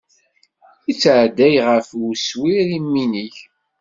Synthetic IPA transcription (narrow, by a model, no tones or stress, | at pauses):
it͡sːʕd̪æjʁəfuswiɾimːiniç